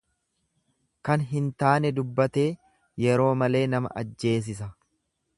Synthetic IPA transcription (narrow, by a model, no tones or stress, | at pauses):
kɐnɦɪnt̪aːnɛd̪ʊbːɐt̪e̞ː | jɛɾo̞ːmɐle̞ːnɐmɐ̰ʔɐd͡ʒːe̞ːs̬ɪs̬ɐ